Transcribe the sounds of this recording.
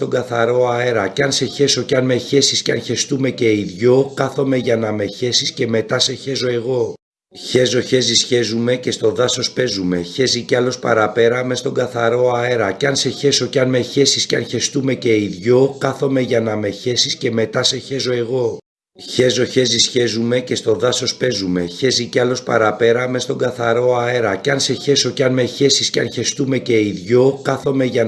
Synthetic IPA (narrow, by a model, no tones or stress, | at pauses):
t̪o̞ɡɐθɐɾo̞ɐe̞ɾɐceɐnse̞çe̞so̞ceɐnme̞çe̞sisceɐnçe̞st̪ume̞ce̞iðʝokɐθo̞me̞ʝɐnɐme̞çe̞sisce̞me̞t̪ɐse̞çe̞zo̞e̞ɣo̞ | çe̞zo̞çe̞zisçe̞zume̞ce̞st̪o̞ðɐso̞spe̞zume̞çe̞ziceɐlo̞spɐ̰ɾɐpe̞ɾɐme̞st̪o̞ŋɡɐθɐɾo̞ɐe̞ɾɐceɐnse̞çe̞so̞ceɐnme̞çe̞sisceɐnçe̞st̪ume̞ce̞iðʝo̞kɐθo̞me̞ʝɐnɐme̞çe̞sisce̞me̞t̪ɐse̞çe̞zo̞e̞ɣo̞ | çe̞zo̞çe̞zisçe̞zume̞ce̞st̪o̞ðɐso̞spe̞zume̞çe̞ziceɐlo̞spɐ̰ɾɐpe̞ɾɐme̞st̪o̞ŋɡɐθɐɾo̞ɐe̞ɾɐcɐnse̞çe̞so̞ceɐnme̞çe̞sisceɐnçe̞st̪ume̞ce̞iðʝo̞kɐθo̞me̞ʝɐn